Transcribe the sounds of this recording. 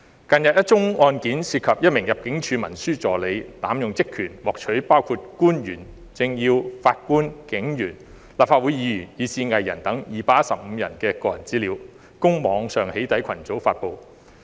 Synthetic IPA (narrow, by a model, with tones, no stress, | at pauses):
kɐ˨˧njɐ˨t̚jɐ˥t̚t͡ʃʊ˥ŋɔː˧nkiː˨˥nsiː˧t̚kʰɐ˨p̚jɐ˥t̚mɪ˨˩ŋjɐ˨p̚kɪ˨˥ŋt͡ʃʰyː˨˧mɐ˨˩nsyː˥t͡sɔː˨le˨˧jt̪aː˨˥mjʊ˨ŋt͡sɪ˥kʰyː˨˩nwɔː˨k̚t͡ʃʰɵ˨˥ɥpaː˥wkʰuː˧t̚kuː˥njyː˨˩n | t͡sɪ˧ŋjiː˧wfaː˧t̚kuː˥nkɪ˨˧˥ŋjyː˨˩n | laː˨p̚faː˧t̚wuː˨˥jiː˨˧˥jyː˨˩njiː˨˧siː˧ŋɐ˨jːɐ̰˨˩nt̪ɐ˨˥ŋjiː˨˧paː˧˥jɐ˥tsɐ˨p̚m̩ː˨˧jɐ̰˨˩nkɛː˧kɔː˧jɐ˨˩nt͡siː˨˥liː˨˧˥w | kʊ˥ŋmɔː˨˧ŋsœː˨ŋhe˨˥jt̪ɐ˨˥jkʰɐ˨˩nt͡so˨˥wfaː˧t̚po˨˧w